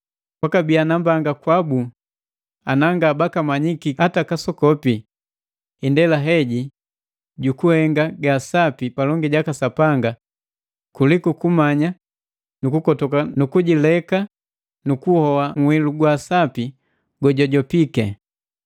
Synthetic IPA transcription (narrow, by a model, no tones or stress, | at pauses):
pwakabianambaŋɡakwabu | anaŋɡaːbakamaɲikiatakasɔkɔpi | indɛlaɦɛɟi | ɟukuhɛŋɡaɡasapipalɔŋɡiɟakasapaŋɡa | kulikukumaɲa | nukukɔtɔkanukuɟilɛka | nukuhɔwaŋwiluɡwasapi | ɡɔɟɔɟɔpikɛ